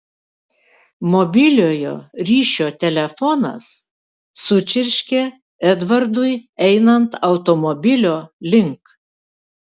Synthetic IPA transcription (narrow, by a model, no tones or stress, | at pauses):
mɔbʲɪlʲoːjo̰ːɾʲiːʃʲoːt̪ʲɛlʲɛfɔnɐ̰s | sʊt͡ʃʲɪɾʲʃʲkʲe | ɛd̪ʋɐɾd̪ʊjɛɪnɐnt̪ɐʊt̪omɔbʲɪlʲoːlʲɪŋk